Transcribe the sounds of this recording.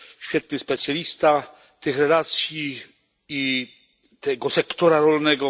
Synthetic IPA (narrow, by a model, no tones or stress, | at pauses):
ɕfʲjɛt̪̚nɘspɛt̪sʲjalʲist̪a | t̪ɘxɾɛlat̪sʲji | i | t̪ɛɡɔsɛkt̪ɔɾaɾɔlnɛɡɔ